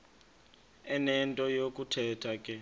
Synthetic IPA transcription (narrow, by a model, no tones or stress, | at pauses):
ɛnɛntʼɔjok̬ʼutʰɛtʰakʼɛ